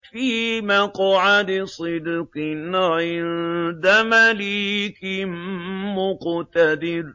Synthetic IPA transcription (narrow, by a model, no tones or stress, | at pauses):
fiːmakɑʕad̪ɪsˤɨd̪qɪnɪnd̪amalikɪmmʊqt̪ad̪ɪɾ